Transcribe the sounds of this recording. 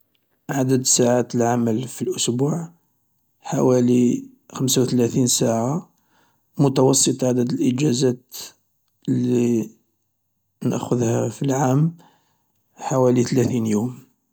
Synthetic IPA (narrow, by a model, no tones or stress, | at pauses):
ʕad̪əd̪saʕat̪əlʕaməlfilʔʊsbuʕ | ħawæli | xəmsawt̪læθinsaʕa | mʊt̪ɑwɑsˤːət̪ˤʕad̪əd̪əlʔəd͡ʒæzæt̪ | li | nə̰ʔxʊðhæfilʕam | ħawælit̪læθinjum